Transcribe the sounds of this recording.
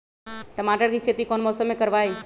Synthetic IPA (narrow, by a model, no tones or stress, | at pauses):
ʈəmaːʈəɾkikʰeːt̪ikoːnmɔːsəmːẽkəɾʋaːi